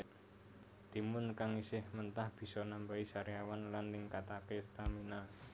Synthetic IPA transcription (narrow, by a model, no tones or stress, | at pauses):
d̪̥i̤mʊnkaŋisɪhmənt̪ahb̥i̤sɔnambaisaɾiawanlanːɪŋkat̪akest̪amina